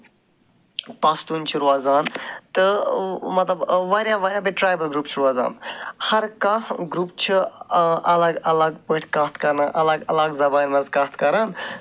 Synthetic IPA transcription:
p̪aːst̪uːnt͡ʃʰiɾuaːzaːnt̪ɨmɐt̪lɐbʋaːɾjaːʋaːɾʲjaːbiʈɾaːjbəlɡɾuːp̚t͡ʃʰiɾuaːza̰ːnhɐɾkãɡɾuːp̚t͡ʃʰiʔɐlɐɡɐlɐɡpəʈʲʰkaːt̪ʰkɐɾnaʔɐlɐɡɐlɐɡzɐbaːnmɐnzkaːt̪ʰkɐɾaːn

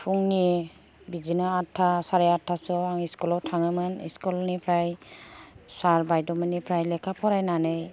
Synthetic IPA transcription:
pʰuŋni | bizinaːtʰːasaɾeatʰːasɔaŋiskulɔtʰaŋɯmɯnḭskɔlnipʰɾaj | saɾbajdɔmɯnipʰɾajlɛkʰapʰɔɾajnanɯj

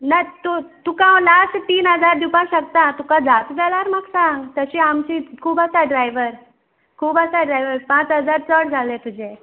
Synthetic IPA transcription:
nat̪ot̪ukãwlasʈt̪iːnɦəd͡zaɾd̪upãɕəkt̪at̪ukãd͡zat̪d͡zalaɾmaɡsãŋɡt̪əɕiamt͡ɕikʰuːbəsaɖɾajʋəɾ | kʰuːbəsaɖɾajʋəɾpãt͡sɦəd͡zaɾt͡səɽd͡zʱalet̪ud͡ʑẽ

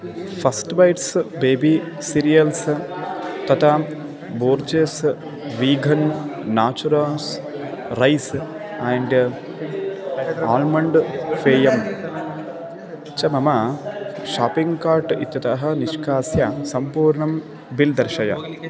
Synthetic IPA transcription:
fʰɐsʈbɐjʈsbeːbi | siɾijɐls | t̪ɐt̪ʰa | boːɾt͡ʃeːs | ʋiːɡʱɐnːaːt͡ʃuɾas | ɾɐjs | aɳɖ | aːlmɐɳɖfeːjɐm | t͡ʃɐmɐmɐ | ʃaːpiŋɡkaːɾʈḭt̪ːjɐt̪ɐɦɐ̆niʃkaːsjasɐmpuːɾɳɐm | bild̪ɐɾʃɐjɐ̰

